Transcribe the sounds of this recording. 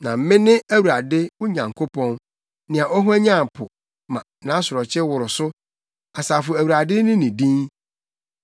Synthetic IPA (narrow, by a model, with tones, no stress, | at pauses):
nã˨m̩˦mɪ̃˦nɪ̃˦æ˦wu˨ɾa˨dɪ˦wʊ˦ɲã˨ŋkʰo˦pʰɔ̃˦n | nɪ̃˨a˨ʔɔ˦ɦu˦æ˦ɲã˦˨m˨pʰʊ˨ | mã˨nã˨˦sʊ˨ɾɔ˨t͡ɕʰɪ˦wʊ˨ɾʊ˨sʊ˦ | a˨saː˨fʊ˨æ˨wu˨ɾa˨dɪ˦nɪ̃˦nɪ̃˨dĩ˦ŋ